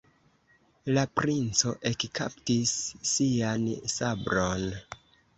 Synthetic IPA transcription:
lapɾint͡so̞ʔe̞kkʰa̰ptisːiansabɾon

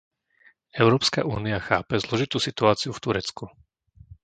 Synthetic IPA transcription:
ɛʊɾɔːpska̰ʔuːniaxa̰ːpɛzlɔʒit̪uːsit̪uaːt͡siuft̪uɾɛt͡sku

